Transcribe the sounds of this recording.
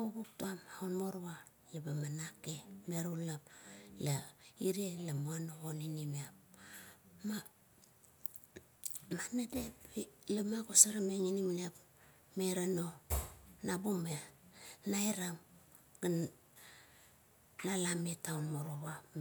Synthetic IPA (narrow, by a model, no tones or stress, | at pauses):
uβuk̚tuamaunmoɾβa | jabamanakemeɾulaplaiɾielamoanooninimeap̚ | ma | manadepilamakosaɾameŋinimnep | meɾano | nabumenajɾam | ɡ̥an | nalametaunmoɾoβa